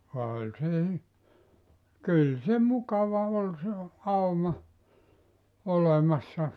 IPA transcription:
olʲ se y kyl se mukɑʋɑ ol se ɑumɑ olemɑsːɑ

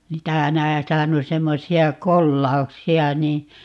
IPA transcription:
niːtæ næitæhæ on semːosiɑ kolːɑuksiɑ niː

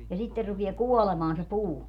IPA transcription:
jɑ sitːer rupie kuolemɑːn se puː

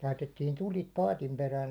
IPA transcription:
lɑitetːin tulʲit pɑːtim peræːn

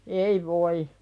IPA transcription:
ei ʋoi

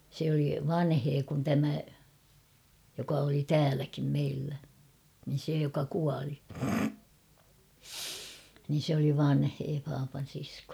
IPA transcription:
se oli ʋɑnheː kun tæmæ jokɑ oli tæːlækim meilːæ niːn̞ se jokɑ kuɑli niːn̞ sĕ oli ʋɑnheː pɑːpɑn̞ siskoː

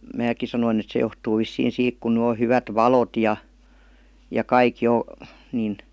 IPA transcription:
mæːkˑi sɑnoin et se johtuː ʋisːiːn siːk kun ny o hyʋæt ʋɑlot jɑ jɑ kɑik jo nin

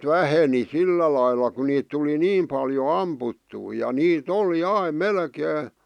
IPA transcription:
ʋæheni silːæ lɑilːɑ ku niːt tuli niːm pɑljo ɑmputːuː jɑ niːt oli ɑim melkeː

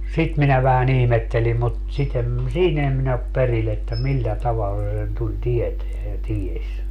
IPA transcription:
sit minæ ʋæhæn ihmetːelim mut sit em siːn eː min op peril etːæ milːæ tɑʋɑlːɑ se sen tulʲ tieteæ jɑ tiesʲ

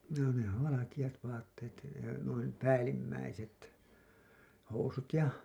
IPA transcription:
noˑ ne oʋ ʋɑlɑkij̆ɑt ʋɑːtːeːt nuin pæːlːimːæiset housut jɑ

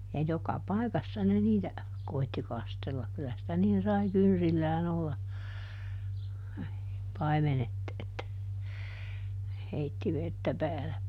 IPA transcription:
jɑ jokɑ pɑˑikɑsːɑ ne niːtæ koitːi kɑstelːɑk kylæ sitæ niːn sɑi kynsilːæːn olːɑ pɑimenet etːæ ne heitːi ʋetːæ pæːle

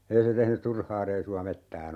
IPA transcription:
ei se tehny turhɑː reisuɑ metːæːn

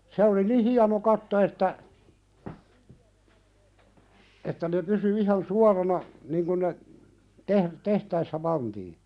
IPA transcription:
se oli ni hiɑno kɑtːo etːæ etːæ ne pysy ihɑn suɑrɑnɑ niŋ kun ne teh tehtæisːæ pɑntiː

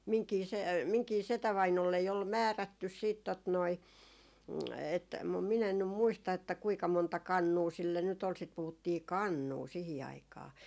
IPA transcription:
miŋkiː se miŋkiː setæʋɑinolːei ol mæːrætːys siːt tot noi et mum min en nym muistɑ etːæ kuikɑ montɑ kɑnːuː silːe nyt ol sit puhutːiː kɑnːuː sihi ɑikɑː

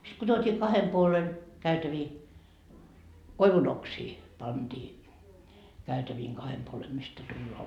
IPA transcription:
sit ko tuotʲiː kɑhem puolen kæytæʋiː koiʋunoksiː pɑnd̥iː kæytæʋiːŋ kɑhem puolem mistæ tulːoɑ

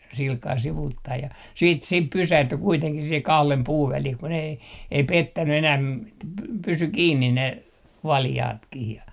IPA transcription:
silkɑː siʋuːtːɑi jɑ siːt sip pysæhty kuiteŋkih sihe kɑhlem puːʋ ʋælih kun ei ei petːæny enæːm etːæ pysy kiːnːin ne ʋɑljɑːtkih jɑ

